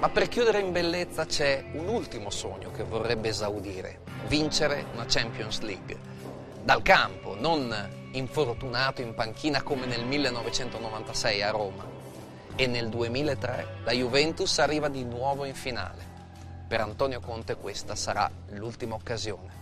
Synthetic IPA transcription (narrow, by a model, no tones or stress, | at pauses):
mapːerkjuːd̪eɾeimbelːet̪sːat͡ʃɛunult̪imoso̰ɲːokevːorːɛbːeːzawd̪iːɾḛ | vint͡ʃeɾḛunat͡ʃɛmpjonsliɡ | d̪alkampo̰non | iɱfort̪unaːt̪oiɱpaŋkʰiːnakomenelmilːenːɔvet͡ʃɛnt̪onovant̪asɛjaroːma̰ | enːeld̪uemiːlaet̪ːɾɛ̰d̪ajuvɛnt̪usarːiːvad̪inwɔːvoiɱfina̰ːle | peɾant̪ɔːnjokont̪ekwest̪asaɾa̰ | lult̪imaokːazjoːne